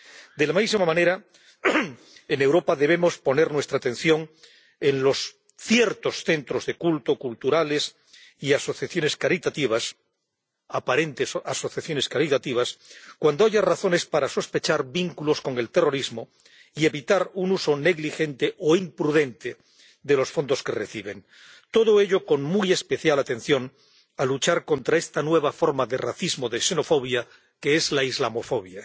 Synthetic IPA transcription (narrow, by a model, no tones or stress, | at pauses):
d̪e̞lamaisimamãne̞ɾa | e̞ne̞wɾo̞paðe̞β̞e̞mo̞spo̞ne̞ɾnwest̪ɾat̪e̞nθjo̞ŋ | e̞nlo̞s | θje̞ɾt̪o̞sθe̞nt̪ɾo̞zðe̞kult̪o̞kult̪uɾale̞s | iaso̞θjaθjo̞ne̞skaɾit̪at̪iβ̞as | apaɾe̞nt̪esaso̞θjaθjo̞ne̞skaɾit̪at̪iβ̞askwand̪o̞aʝaraθo̞ne̞spaɾaso̞spe̞t͡ʃaɾbiŋkulo̞sko̞ŋe̞lt̪e̞ro̞ɾizmo̞ | ie̞βit̪aɾunuso̞ne̞ɣlixe̞nt̪e̞ʔoimpɾuðe̞nt̪e | d̪e̞lo̞sfo̞nd̪o̞ske̞reθiβ̞e̞n | t̪o̞ðoe̞ʎo̞ko̞ŋmuje̞spe̞θjalat̪e̞n̟θjo̞n | alut͡ʃaɾko̞nt̪ɾae̞st̪anwe̞β̞afo̞ɾmaðe̞raθizmo̞ðese̞no̞fo̞β̞ja | ke̞ezlaizlamo̞fo̞β̞ja